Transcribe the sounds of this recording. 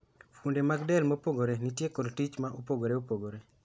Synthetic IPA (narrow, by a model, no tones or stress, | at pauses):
fundemaɡdɛlmopoɡoɾenitjekodtit͡ʃmaʔopoɡoɾeopoɡoɾe